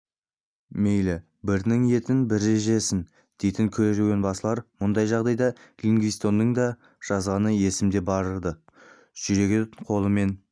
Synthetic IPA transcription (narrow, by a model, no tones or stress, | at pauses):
me̞jlɪ | bɪɾnɪŋe̞t̪ɪnbɪɾːe̞ʒe̞sɪn | d̪̥e̞jt̪ɪŋkʲʰɵɾeʒeɡʲe̞nbɑsəlˠɑɾmʊnd̪ɑjʒɑʁd̪ɑjd̪ɑliŋɡʲist̪o̞nːəɴd̪ɑ | ʒ̥ɑzʁɑnəje̞sɪmd̪e̞bɑɾəɾd̪ə | ʒ̥ʏɾe̞ɡʲeqʰo̞lˠəme̞n